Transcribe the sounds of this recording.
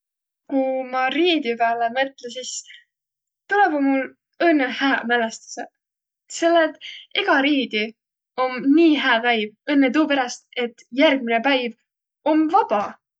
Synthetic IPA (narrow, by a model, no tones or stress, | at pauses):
kumɑɾiːd̪̥jupæːlemɤt̪ˑlesis | t̪uleb̥omːul | ɤnːehæːmælest̪u̥se | se̞lːet̪iɡ̥ɑɾiːd̪̥i | o̞mniːɦæːpæjvɤnːet̪̬uːpeɾɑst̪e̞t̪ːjærɡ̥̚minepæjv | o̞mvɑb̥ɑ